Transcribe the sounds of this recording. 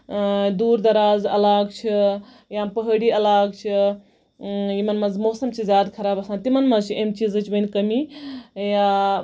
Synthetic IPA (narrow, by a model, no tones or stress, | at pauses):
d̪uːɾd̪ɐɾaːzɐlaːɡt͡ʃʰi | jampəɦəɽiɐlaːɡ̚t͡ʃʰi | jimɐnmɐzmoːsɐmt͡ʃʰizʲjaːd̪kʰɐɾaːbɐsãːnt̪imɐnmɐzt͡ʃʰiemt͡ʃiːzɐt͡ʃʰibɐnʲkɐmija